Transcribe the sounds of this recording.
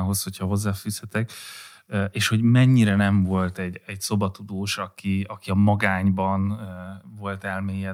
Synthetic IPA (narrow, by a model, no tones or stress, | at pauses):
ɦo̞sho̞cʰhɒɦo̞zːaːfyːshɛt̪ɛk | øeːʃho̞ɟmɛɲːiɾɛnɛɱvo̞lt̪ɛɟːɛɟso̞bɒt̪ud̪oːʃɒkiɒkiɒmɒɡaːɲbɒnvo̞lt̪ɛlmeːjɛ